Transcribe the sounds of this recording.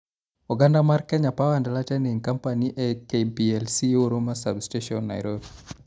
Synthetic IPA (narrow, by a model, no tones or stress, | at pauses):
uɡandamarkɛɲapawandalatɛniŋkampaniʔɛkepiɛlsioɾomasa̰bsteʃɔnːa̰jɾob